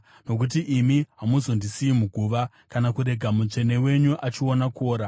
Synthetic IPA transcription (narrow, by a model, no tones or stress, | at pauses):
no̞k̬ut̬iʔimiɦamuzo̞ndisiimuɡʱuʋa | kanakuɾe̞ɡʱamut͡ʂe̞ne̞we̞ɲuʔat͡ʃionako̞ːɾa